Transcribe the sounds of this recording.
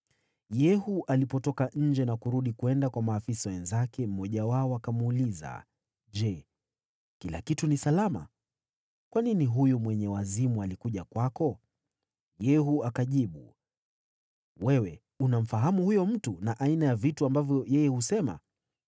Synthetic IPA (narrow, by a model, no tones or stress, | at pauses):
jɛhuʔalipɔtɔkaɲ̩d͡ʒɛnakuɾuɗikuɛndakwamaːfisawɛnzakɛm̩mɔʄawaɔakamːliza̰ | ʄɛ | kila̰kitunisalama̰ | kwaniniɦujɔmwɛɲɛwazimualikuʄakwakɔ | jɛhuakaʄiɓu | wɛwɛ | unam̩faɦamuhujɔm̩tunaʔainajavituambavjɔjɛjɛhusɛma̰